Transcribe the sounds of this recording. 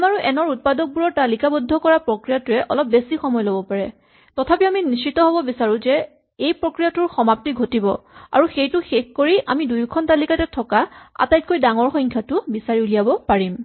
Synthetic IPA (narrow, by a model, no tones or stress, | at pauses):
maɹuʔɛnɔɹut̚padɔk̚buɹɔɹtalikabodʱːɔkɔɹapɹokɹijatʊɹɛʔɔ̰lɔp̚besixɔmɔjlobɔpaɹɛ | tɔtʰapiaminist͡ʃitɔɦobɔbisaɹũzɛ | ejpɹokɹijatʊɹxɔmap̚tiɡʱotibɔa̰ɹuxejtʊxexkoɹiʔa̰midujkʰɔntalikatɛtʰɔkaa̰tajt̚kojdaŋɔɹxɔŋkʰjatʊbisaɹiulijabɔpaɹim